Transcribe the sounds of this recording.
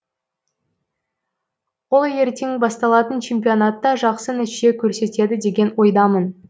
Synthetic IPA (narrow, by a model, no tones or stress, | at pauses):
wo̞lˠje̞ɾt̪e̞ŋbɑst̪ɑlˠɑt̪ənt͡ʃʰe̞mpʲio̞nat̪ːɑʒɑqsənɪe̞kʲʰɵɾse̞t̪e̞d̪ɪd̪e̞ɡʲe̞nwo̞jd̪ɑmən